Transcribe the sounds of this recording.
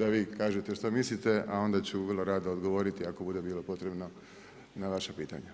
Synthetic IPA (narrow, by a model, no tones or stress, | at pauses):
d̪aʋiːkaːʒet̪eʃt̪omislit̪e̞ao̞nd̪at͡ɕuʋərlˠo̞ɾad̪aod̪ɡo̞ʋo̞ːɾit̪iakobud̪e̞biːlo̞po̞t̪ɾe̞bno̞ | naʋaʃapiːt̪a̰ɲa